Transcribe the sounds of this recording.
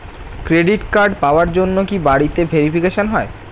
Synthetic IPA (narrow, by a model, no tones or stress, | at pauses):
kɾeɖiʈkaɾɖpaoaɾd͡ʑonːokibaɽit̪ebʱeɾifikeʃonɦɔe